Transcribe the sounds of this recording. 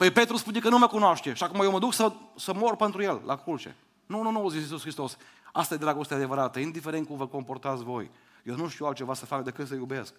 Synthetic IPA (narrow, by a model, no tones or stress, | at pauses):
pəjpe̞t̪ɾuspunekənuməkunoaʃt̪eʃiakumajewməd̪uksəsəmo̞rpent̪ɾuje̞llʔa̰kult͡ʃḛ | nununuozisis̬usxɾist̪o̞s | ast̪ajed̪ɾaɡo̞st̪ead̪e̞vəɾat̪əind̪ifeɾet̪̚kumvəko̞mpo̞rt̪at̪sʲvo̞j | jewnuʃt̪iualt̪̚t͡ʃe̞vasəfakd̪ekɨt̪səjubesk̚